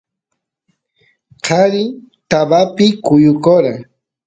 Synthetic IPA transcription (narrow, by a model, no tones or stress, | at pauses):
qʰaɾɪt̪abapɪkʊjʊkoɾa